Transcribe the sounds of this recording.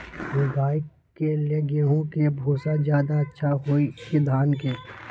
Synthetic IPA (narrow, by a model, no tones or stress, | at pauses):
mũɡaːɪkːeleɡeɦũkebʱoːsazjaːd̪aɐtːʃʰaɦoikid̪ʱaːnkeː